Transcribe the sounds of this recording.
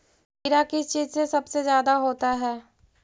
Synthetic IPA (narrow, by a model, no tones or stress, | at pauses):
iɾakit͡ʃiːzsesɐbsezjaːd̪aɦoːt̪aɦɛː